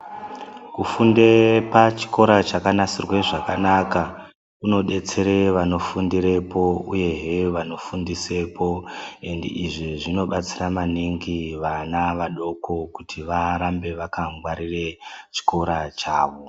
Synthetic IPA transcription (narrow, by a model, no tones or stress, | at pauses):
kufunde̞pat͡ʃi̥ko̞ɾat͡ʃakanasirwe̞ʐakanaka | kuno̞ɗe̞t͡se̞ɾe̞ʋano̞fundiɾe̞po̞uje̞ɦeʋano̞fundise̞po̞endḛʔiʐiʐino̞ɓat͡siramaniŋɡiʋanaʋaɗo̞ko̞kutʰiʋaɾambe̞ʋakaŋɡwaɾire̞t͡ʃi̥ko̞ɾat͡ʃaːʋo̞